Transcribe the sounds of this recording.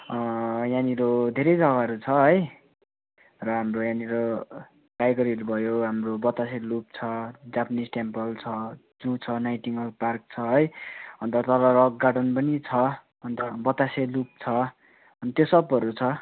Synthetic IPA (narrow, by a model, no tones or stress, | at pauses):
janiɾod̪ʱeɾʌjd͡zʌɡaɾut͡sʰʌɦʌj | rʌɦamrojaniɾo | kajɡʌɾilbʱʌjoɦamrobʌt̪aselup̚t͡sʰʌd͡zapʌnisʈempʌlt͡sʰʌ | d͡zut͡sʰʌnajʈiŋʌlpark̚t͡sʰʌɦʌjʌnt̪ʌt̪ʌlʌɾʌkɡaɽʌnpʌnit͡sʰʌ | ʌnt̪ʌbʌt̪aselup̚t͡sʰʌ | ʌnit̪josʌbʌɾut͡sʰʌ